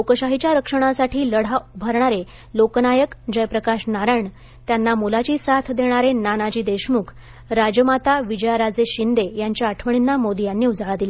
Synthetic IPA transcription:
okəɕaɦit͡ɕjaɾəkʂəɽ̃asaʈʰiːləɽ̤aubʱəɾɳ̃aɾe | loknajəkd͡ʑəjpɾəkaɕnaɾəɳ | t̪janːamulat͡ɕiːsat̪ʰd̪ʱeɽ̃aɾenanad͡ʑiːd̪eɕmukʰ | ɾad͡ʑəmat̪aʋid͡ʑəjaɾad͡zeɕind̪ejaɲt͡ɕjaəʈʰʋəɳ̃inːamod̪ijanːiːud͡zʱaɭad̪ila

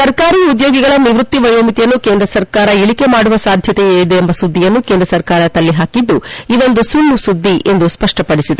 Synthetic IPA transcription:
sɐɾkaːɾiːud̪joːɡiɡɐɭɐniʋɾut̪ːiʋɐjoːmit̪ijɐnːukeːnd̪ɾɐsɐɾkaːɾɐiɭike̞maːɽuʋɐsaːd̪ʱjɐt̪eeːɭid̪eːmbɐsud̪ːijɐnːukend̪ɾɐsɐɾkaːɾɐt̪ɐlːiɦaːkid̪ːuid̪o̞nd̪usulːusud̪ʱːiʔe̞nd̪uspɐʂʈɐpɐɽisid̪e

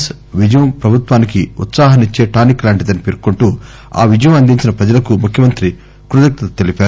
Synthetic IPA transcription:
s | ʋid͡ʒɐjɐmpɾɐbʱut̪ʋaːnikiṵt̪saːɦɐnit͡ʃːe̞ːʈaːniklaːɳʈid̪ɐnːipeɾkoɳʈuː | a̰ːʋid͡ʒɐjɐmɐnd̪iɲt͡ʃinɐpɾɐd͡ʒɐlɐkumukʰjɐmɐnt̪ɾi | kɾut̪ɐk̚t̪ɐt̪ɐ̥t̪elipaːɾu

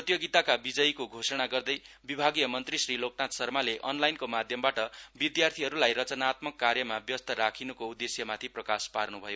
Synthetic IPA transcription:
prʌt̪joɡit̪akabid͡zʌjkoɡʱosʌɽ̃aɡʌrd̪ʌj | bibʱaɡijʌmʌnt̪risriloknat̪sʌrmaleʔʌnlajnkomad̪ʱjʌmbaʈʌbid̪jart̪ʰiɦʌɾulajrʌt͡sʌnat̪mʌkːarjʌmabjʌst̪ʌɾakʰinukoud̪ːesjʌmat̪ʰiprʌkasparnubʱʌjo

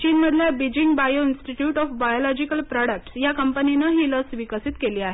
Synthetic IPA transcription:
t͡ɕiːnməd̪ʱljabid͡ʑiŋɡbajoinsʈiʈjuʈɔfbajolɔd͡ʑikəlpɾɔɽək̚ʈsjakəmpəninəɦiːləsʋikəsit̪keliːaɦe

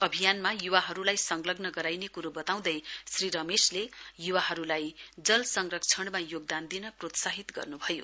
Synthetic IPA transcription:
ʌbʱijanmajuwaɦʌɾulajsʌŋɡlʌɡnʌɡʌɾajnekuɾubʌt̪aw̃d̪ʌjsriɾʌmeslejuwaɦʌɾulajd͡zʌlsʌŋrʌk̚t͡sʰʌɳmajoɡ̚d̪and̪inʌprot̪saɦit̪ɡʌ̰rnubʱʌjo̰

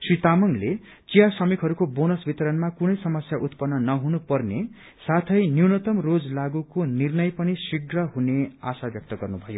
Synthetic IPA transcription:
srit̪amʌŋle | t͡sijasʌmikɦʌɾukobonʌsbit̪ʌɾʌnmakunʌjsʌmʌsjaʔut̪pʌnːʌnʌɦunupʌrne | sat̪ʰʌjnjiwnʌt̪ʌmrod͡zlaɡukonirnʌjpʌnisiɡrʌɦunea̰sabjʌk̚t̪ʌɡʌrnubʱʌjo

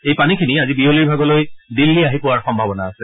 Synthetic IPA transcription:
ejpanikʰiniazibiɦoliɹbʱaɡɔlojdilːiaɦipʊwaɹxɔmbʱabɔnaːsɛ

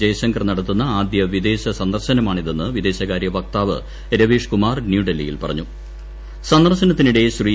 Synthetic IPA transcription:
d͡ʑɐjɐɕɐŋɡɐrnɐɽɐt̪ːunːɐaːd̪jɐʋid̪e̞ːɕɐsɐnd̪ɐrɕɐnɐmaːɳiðenːɨʋid̪e̞ːɕɐɣaːɾjɐʋɐk̚t̪aːʋɨ̰ | ɾɐʋiːʂkumaːrnjuɖelːijḭlpɐrɐ̰ɲːu | sɐnd̪ɐrɕɐnɐt̪ːiniɽe̞ɕri

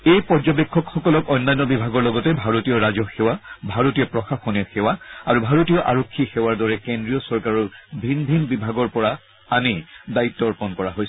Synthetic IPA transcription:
ejpɔɹzɔbekʰːɔkxɔkɔlɔkɔjnːajnːɔbibʱaɡɔɹlɔɡɔtɛbʱaɹotijɔɹazɔxewabʱaɹotijɔpɹɔxaxɔniɔxɛwaaɹubʱaɹotijɔʔa̰ɹokʰːixɛwaɹdɔɹɛkendɹijɔsɔɹkaɹɔɹbʱinbʱinbibʱaɡɔɹpɔɹa | anidaitːɔɹpɔnkɔɹaɦojs

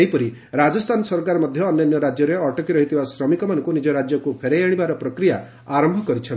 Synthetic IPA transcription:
eɦipɔɾi | ɾad͡ʒɔst̪ʰanɔsɔɾkaɾɔmɔd̪ʱjɔːnjɔnjɔɾad͡ʒjɔɾeɔʈɔkiɾɔɦit̪ʰibasɾɔmikɔmanɔŋkunid͡ʒɔɾad͡ʒjɔkupʰeɾejaɽ̃ibaɾɔpɾɔkɾija | aɾɔmbʱɔkɔɾit͡ʃʰɔn

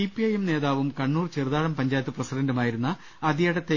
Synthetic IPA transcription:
ipːiɐjemne̞ːðaːʋumkɐɳːuːrt͡ɕirðaːɽɐmpɐɲd͡ʑaːjt̪ːɨprɐsidɐndumaːjiɾunːɐː | ðijɐɽɐt̪ːe

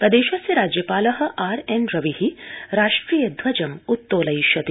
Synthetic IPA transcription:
kɐd̪eːʃɐsjɐɾaːd͡ʒjɐpaːlɐɦɐ̆ʔaːɾenɾɐʋihiɾaːʂʈɾiːjɐd̪ʱʋɐd͡ʒɐmut̪ːoːlɐjʃɐt̪i

